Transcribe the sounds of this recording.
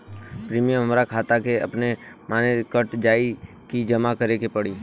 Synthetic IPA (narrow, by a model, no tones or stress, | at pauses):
pɾiːmijəmɦəmɾakʰaːt̪akeɐ̰pnemaːnekəʈd͡ʒaːi | kid͡ʒɐmakəɾekepɐɽiː